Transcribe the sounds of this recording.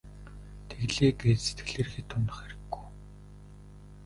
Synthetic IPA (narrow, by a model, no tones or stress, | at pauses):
t̪ʰeɣɮeːɡeːt̪se̥t̪ɡɘ̆ɮeːrxiːt̪ʰːʊnt̪ə̆χæɾɪ̆ɡːuj